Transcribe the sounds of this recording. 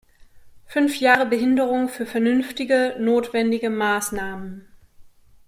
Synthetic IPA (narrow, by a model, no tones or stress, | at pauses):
fʏnfjaːʁəbəɦɪndəʁʊŋfyːɐfɛɐnʏnftɪɡənoːtv̥ɛndɪɡəmaːsnaːmən